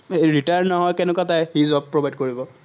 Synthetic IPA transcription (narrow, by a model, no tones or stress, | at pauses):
eɹitaɹnnɔɦɔjkɛnɛkwatajhizɔb̚pːɹobajd̚koɹibɔ